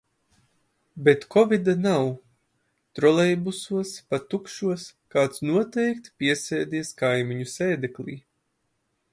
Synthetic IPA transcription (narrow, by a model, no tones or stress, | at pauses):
bet̪kɔvid̪anaw | t̪ɾɔlˠɛjbusuɔspat̪ukʃuɔskaːt̪snuɔt̪ɛjkt̪pʲiɛsɛːd̪ʲiɛskajmiɲusɛːd̪eklʲḭː